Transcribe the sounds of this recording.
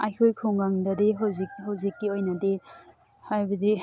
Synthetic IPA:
ajkʰojkʰuŋɡaŋdɐdiɦawzikɦawzikːiojnɐdi | hajbɐdi

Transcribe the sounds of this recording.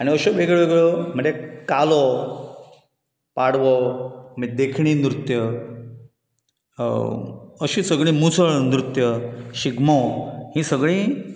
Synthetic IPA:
añiəɕoʋeɡɭoʋeɡɭɔməɳd͡zekalɔ | paɽʋɔmid̪ekʰɳiːnɾut̪jə | əɕiːsəɡɭĩːmut͡səɭnɾut̪jəɕiɡmɔhĩːsəɡɭĩː

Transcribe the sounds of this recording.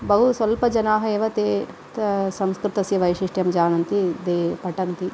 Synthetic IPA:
bɐɦusʋɐlpɐd͡ʒɐnaːɦɐeːʋɐt̪eː | sɐmskɾɪt̪ɐsjɐʋɐjʂiʂʈjɐmd͡ʒaːnɐnt̪id̪eːpɐʈɐnt̪i

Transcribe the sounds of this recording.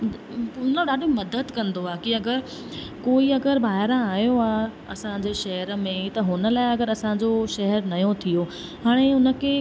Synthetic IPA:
ʊnoɗaːɗʱomɐd̪əd̪kɐ̃nd̪oaːkiɐɡəɾ | koːiɐɡəɾbʱaːɪɾãaːijoaː | ɐsãd͡ʑeʃɐɦɛɾəmẽt̪ɐɦʊnə̆laːɪɐɡəɾɐsãd͡ʑoʃɐɦəɾnɐjõt̪ʰijo | ɦaːɽ̃eʊnə̆kʰeː

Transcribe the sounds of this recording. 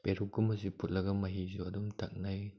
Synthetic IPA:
peɾukɡumɐzipʰut̚lɐɡɐmɐɦizuɐdumtʰak̚naj

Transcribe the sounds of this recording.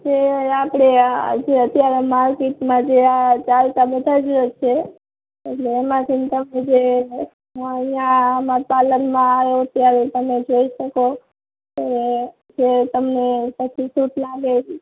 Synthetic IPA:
d͡ʒeapɽ̃ed͡ʒeət̪jaɾemaɾkit̪mãd͡ʒeat͡ʃalt̪abəd̪ʱad͡ʒot͡ʃʰeː | ʈleːmãt̪ʰint̪əmed͡ʒe | əijãmãpalənmãajoət̪jaɾet̪əmed͡ʒoiʃəko | t̪aɾe | d͡ʒet̪əmnepət͡ʃʰisut̪laɡe

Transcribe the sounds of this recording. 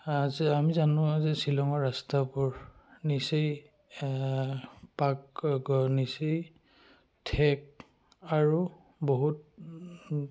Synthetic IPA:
azamizanʊ̃zɛsilɔŋɔɹastapʊɹnisej | pakɡɔnisej | tʰɛk̚ | aɹu | boɦut̚

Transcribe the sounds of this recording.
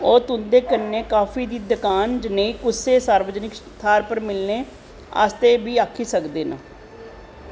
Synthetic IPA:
oːt̪ʊnd̪eːkəɾnːeːkaːfiːd̪iːd̪əkaːnd͡ʒəneːiːkʊsːeːsaːɾʋəd͡ʒnɪkst̪ʰaːɾpəɾmɪlneː | a̰ːst̪eːbiːaːkʰiːsəkd̪eːna̰ː

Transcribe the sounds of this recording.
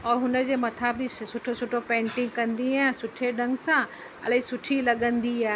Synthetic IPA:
ɔːɾɦʊnə̆d͡ʑeːmɐt̪ʰabɪsʊʈʰosʊʈʰopẽːɳʈɪ̃ŋɡ̚kɐ̃nd̪iaːɦsʊʈʰeɖɐ̃ŋɡsã | ɐ̰lɦĩsʊʈʰilɐɠə̃nd̪iaːɦe

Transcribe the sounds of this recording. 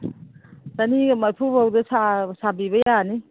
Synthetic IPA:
tanimajpʰubawdɐsasabibɐjani

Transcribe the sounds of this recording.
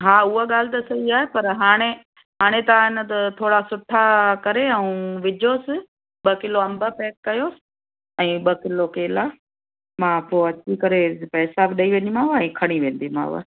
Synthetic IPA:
ɦaːʊɦaɠaːl̤ɪt̪ɐsɐiaːɦepɐɾɦaːɽ̃e | ɦaːɽ̃et̪ɐaɪnə̆t̪ɐt̪ʰoːɽasʊʈʰːakɐɾeɛũʋɪd͡ʑʱoːsɪ̆ | ɓɐkɪloɐ̃mbəpɛːkːɐjoːsɪ̥ | ɛ̃ːɓɐkɪlokeːla | mãːpoːɐt͡ɕikɐɾepɛːsabɪɗɐiʋɐɲimãːʋɛ̃ːkʰɐɽ̃iʋẽːn̆d̪imã̰ːʋə̰

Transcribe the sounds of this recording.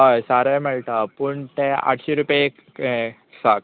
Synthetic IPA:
ɦajsaɾaməɭt̪apuɳt̪ea̰ʈʰɕiɾupe | sak

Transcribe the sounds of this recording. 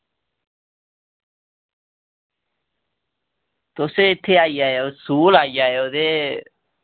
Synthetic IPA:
t̪oset̪ʰeajajosulajajod̪e

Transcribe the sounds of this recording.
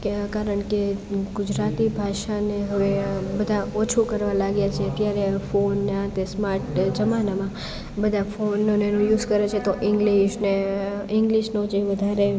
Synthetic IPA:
kkaɾəɳkeɡʊd͡ʒɾat̪ibʱaʃaneɦəʋebəd̪ʱaot͡ʃʰukəɾʋãlaɡjat͡ʃʰeət̪jaɾefonːãt̪esmaɾʈd͡ʒəmanamã | bəd̪ʱafonːonenũjuzkəɾet͡ʃʰet̪oʔɪ̃ŋɡliʃneɪ̃ŋɡliʃnod͡ʒeʋəd̪ʱaɾe

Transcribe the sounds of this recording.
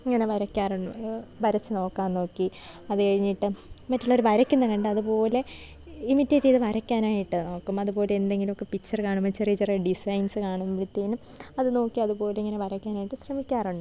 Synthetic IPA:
iŋːɐne̞ʋɐɾɐkʲːaːruɳɖuʋɐɾɐt͡ɕːɨno̞ːkːaːnno̞ːkːi | ɐðɨkɐɻiɲːiʈːɨmɐtːuɭːɐɾuʋɐɾɐkʲːunːɐkɐɳɖɨɐðupo̞ːle̞ | imitːeːtːiðɨʋɐɾɐkʲːaːnaːjiʈːɨno̞ːkːumɐðupo̞ːleend̪e̞ŋɡilumo̞kːe̞pit͡ɕːɐrkaːɳumɐt͡ɕːɐrit͡ɕːɐreɖisɐjnsɨkaːɳumpiɽut̪ːiːnum | ɐðɨno̞ːkːiɐðupo̞ːleiŋːɐne̞ʋɐɾɐkʲːaːnaːjiʈːɨsrɐmikʲːaːruɳɖɨ

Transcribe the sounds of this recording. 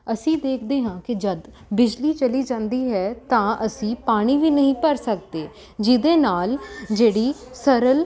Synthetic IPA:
əsĩːd̪eːkʰd̪eːɦãːkɪd͡ʒəd̪ | bɪd͡ʒliːt͡ʃəliːd͡ʒãːnd̪iːɦɛːt̪ãːʔəsĩːpaːɽ̃iːʋiːnəɦĩːpəɾsək̚d̪eː | d͡ʒɪd̪eːnaːld͡ʒeːɽiːsəɾəl

